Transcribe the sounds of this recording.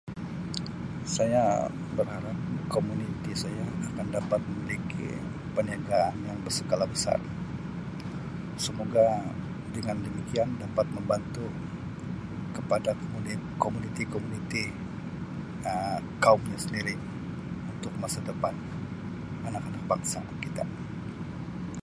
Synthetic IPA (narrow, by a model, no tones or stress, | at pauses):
saja | bərhaɾap̚komunit̪isajaakandapat̪̚məmilikḭ | pəniaɡaːnjaŋbərsəɡalabəsa̰r | səmoɡa | dəŋandəmikiandapat̪̚məmbant̪u | kəpadaukomunit̪ikomunit̪i | əkaumɲasəndiɾi | unt̪ʊk̚masadəpan | anakanak̚paksanakkit̪a̰